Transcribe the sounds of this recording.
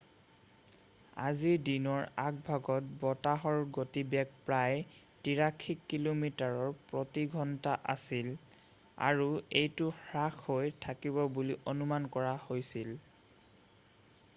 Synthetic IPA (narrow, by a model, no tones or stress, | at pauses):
a̰zidinɔɹak̚bʱaɡɔt̚bɔtaɦɔɹɡotibɛɡ̚pɹaj | tiɹakʰːikːilomitaɹɔɹpɹotiɡʱɔntaʔa̰sil | a̰ɹuejtʊhɹaxhojtʰakibɔbuliʔonumankɔɹahojsil